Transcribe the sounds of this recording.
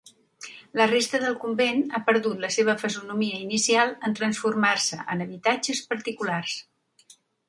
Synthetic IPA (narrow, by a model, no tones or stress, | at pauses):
lərest̪əðəlˠkumbenapəɾðut̪ləseβ̞əfəzunumiəinisialˠənt̪ɾənsfurmarsəʔənəβit̪ad͡ʒəspəɾt̪ikulars